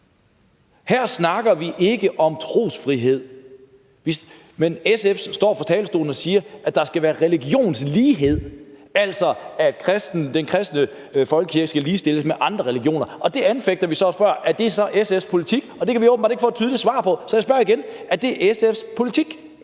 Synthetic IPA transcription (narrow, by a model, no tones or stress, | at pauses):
hæɐ̰snɑ̈ɡ̥ɐʋiʔe̝ɡ̥əʔɒ̽mt͡sʰʁo̝̰ːsfʁiɦe̝ð̞̰ˠ | ʋis | menesefsd̥ɒ̰ːfɒ̽t͡sʰɛ̰ːləsd̥o̝̰ːln̩ɒ̽siːɐʔæ̥d̥ɑ̈sɡ̥æʋæːɐʁɛliɡ̥jo̝̰ːnsliːɦe̝ð̞̰ˠæl̰sɒæd̥kʰʁɛsd̥n̩d̥enkʰʁɛsd̥nə | fɒ̽lɡ̥əkʰiɐɡ̥əsɡ̥æliːsd̥e̝ləsmeʔɑ̈nd̥ʁɐʁɛliɡ̥jo̝̰ːnɐɒ̽d̥e̝ʔænfeɡ̥̚d̥ɐʋisɒ̽sb̥ɶɐʔæɐd̥e̝sɒ̽ʔesefspʰo̝lit͡sʰiɡ̥ɒ̽d̥e̝kʰæʋioːbmbɑ̈d̥e̝ɡ̥əfɔːd̥̚t͡sʰyðˠli̥sʋɑ̰̈ːpʰɒ̽sɒ̽jaɪsb̥ɶɐiɡ̥enæɐd̥e̝ʔesefspʰo̝lit͡sʰiɡ̥